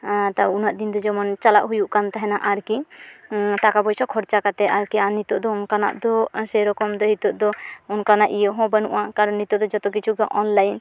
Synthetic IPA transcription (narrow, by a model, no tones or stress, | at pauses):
t̪aunaʔd̪ind̪ɔd͡ʒɔmɔnt͡ʃala̰ʔɦujuʔkant̪ɛɦɛnaʔaɾki | ʈakabɔjsɔkʰɔɾt͡ʃakat̪ɛʔaɾkianit̪ɔʔd̪ɔɔnkana̰ʔd̪ɔsɛɾɔkɔmd̪ɔɦit̪uʔd̪ɔɔnkanaʔijəɦɔ̃bənṵʔãkaɾɔnːit̪ɔd̪ɔd͡ʒɔt̪ɔk̬it͡ʃʰuɡaʔɔnlajn